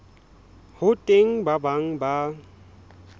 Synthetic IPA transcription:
hʊtʼeŋ̩babaŋ̩ba

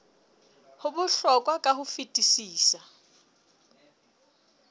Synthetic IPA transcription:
hʊbʊɬɔkʼwakʼahʊfitʼisiːsa

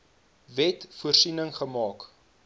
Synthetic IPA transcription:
vɛtfuərsinəŋχəmɑːk

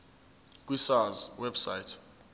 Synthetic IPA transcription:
kʼwisazwɛbsajtʰ

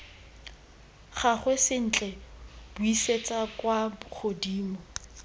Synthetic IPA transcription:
χaχwɛsɪn̩t͡ɬʼɛb̥ʊiset͡sʼakwaχʰodiːmɔ

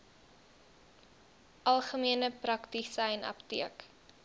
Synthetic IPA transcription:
ʔɐlˠχəmiənəprɐktisɛjnɐ̰ptiək

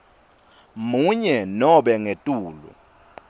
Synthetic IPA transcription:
muɲɛnɔɓɛŋetʼuːlṵ

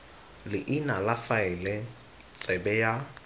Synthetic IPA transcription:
lɪʔɪnalafaɪlɛ | t͡sʼɛbɛja

